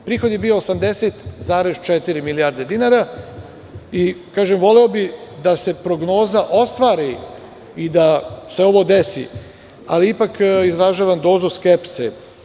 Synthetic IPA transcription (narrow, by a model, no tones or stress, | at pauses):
pɾiːxo̞d̪jebiːo̞ːsamd̪eset̪zaːɾezt͡ʃet̪iɾimilijaɾd̪e̞d̪inaɾa | ikaːʒemʋo̞leo̞bid̪ase̞pɾo̞ɡno̞ːzaʔo̞st̪ʋaːɾi | id̪ase̞o̞ʋo̞d̪esḭ | a̰liipakizɾaʒaːʋand̪o̞ːzuskepsḛ